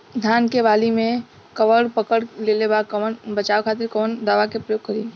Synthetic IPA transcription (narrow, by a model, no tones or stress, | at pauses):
d̪ʱjaːnkeʋaːlimẽ | kəʋəɽpəkəɽlelebakəənbət͡ʃaːʋkʰaːt̪̬ɪɾkɔːnd̪aːʋakepɾəjoːɡ̚kːəɾiː